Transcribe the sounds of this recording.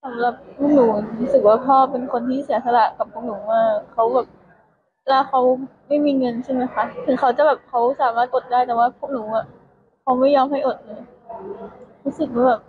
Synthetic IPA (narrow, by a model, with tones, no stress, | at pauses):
sa˨˩˦mla˨˩p̚ʰːuː˥˩k̚nuː˩˦˨ɾuː˦˥sɯ˨˩k̚waː˥˩pʰɔː˥˩pe˧nkʰo˧nt̪ʰiː˥˩si˨˩˦sʰa˧la˨˩ʔka˨˩pʰːu˥˩k̚nuː˩˦waː˥˩kʰa˦˥wbɛː˨˩p̚ | lɛː˦˥˩kʰa˦˥wma˥˩jmiː˧ŋɤ˧nt͡ɕʰa˥˩ma˦˥jxʰa˧˦˥t̪ʰɯ˨˩˦ŋkʰa˦˥wt͡ɕa˨˩bɛː˨˩p̚kʰa˦˥wsaː˨˦maː˥˩t̪̚ʔo˨˩t̪̚daː˥˩jt̪ɛː˨˩waː˥˩pʰu̥˥˩ək̚nuː˩˦a˨˩ | kʰa˦˥wma˥˩jɔː˧mha˥˩jʔo˨˩t̪̚lɤː˧˦ | ɾuː˦˥sɯ˨˩k̚maː˥˩bɛː˨˩p̚